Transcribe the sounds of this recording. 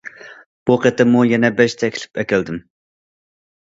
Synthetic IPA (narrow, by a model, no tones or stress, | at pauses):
b̥uqʰet̪ɪmujɛnɛbɛʃt̪ʰɛkʲʰlɪ̥pʰɛkʲɛld̪ɪm